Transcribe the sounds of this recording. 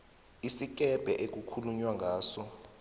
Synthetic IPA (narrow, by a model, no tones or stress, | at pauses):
isik̬ʼɛb̥ʱɛʔek̬ukʰuluɲwaŋɡʱaːsɔ